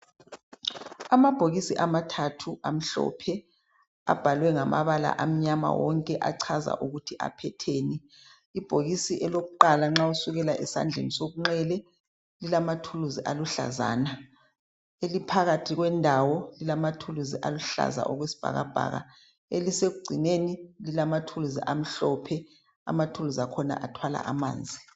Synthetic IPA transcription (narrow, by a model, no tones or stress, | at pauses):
amab̥ʱoɣisiʔamatʰatʰuʔam̩ɬɔ̰pʰɛ | a̰b̥ʱalwɛŋama̰βala̰ʔam̩ɲama̰wɔŋkʼɛʔaǀʰaza̰ʔuɣutʰiʔa̰pʰɛtʰeːni | ib̥ʱoɣisiʔɛloɣuǃalaŋ͡ǁausuɣɛlaʔɛsa̰nd͡ɮʱḛnisoɣuŋ͡ǁɛlɛ | lilamatʰuluziʔaluɬa̰za̰ːna | elipʰaɣatʰiɣwɛndʱawɔlilamatʰuluziʔaluɬa̰za̰ʔɔɣwesi̥b̥ʱa̰ɣab̥ʱa̰ɣa̰ | eliseɣuɡ͡ǀʱinenililamatʰuluzḭʔam̩ɬɔpʰɛ | a̰matʰuluzakʰɔna̰ʔatʰwala̰ʔama̰ːnd͡zʱi